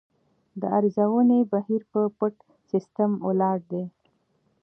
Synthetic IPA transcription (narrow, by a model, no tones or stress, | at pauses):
d̪əaɾzawənebahiɾpəpəʈ | sɪst̪əmolɑɖ̚d̪e